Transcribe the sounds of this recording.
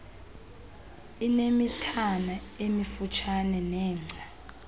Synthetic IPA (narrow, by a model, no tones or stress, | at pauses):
inemitʰanaemifut͡ʃʰanɛnɛːŋ͡ǀʱa